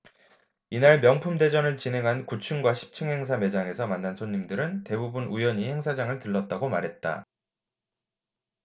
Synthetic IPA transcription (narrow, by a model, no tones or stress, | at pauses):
inaɭmjʌŋpʰumde̞d͡ʑʌnɯɭt͡ɕine̞ŋɦankut͡ɕʰɯŋɡwaɕʰi̥p̚t͡ɕʰɯŋɦe̞ŋsʰame̞d͡ʑaŋe̞sʰʌmanːansʰoɲːimdɯɾɯnte̞bubunʔujʌɲihe̞ŋsʰad͡ʑaŋɯɭtɯɭːʌt̚t͈aɡomaɾɦe̞t̚t͈a̰